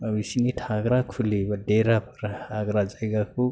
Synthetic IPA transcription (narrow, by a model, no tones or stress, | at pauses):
abisiniʈʰaɡɾakʰulibʌɖeɾapʌɾaaɡɾad͡zaɡako